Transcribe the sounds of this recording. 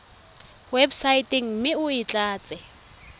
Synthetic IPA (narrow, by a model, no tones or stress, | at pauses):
websaitʼɪŋ̩m̩mɪʊɪt͡ɬʼaːt͡sʼɪ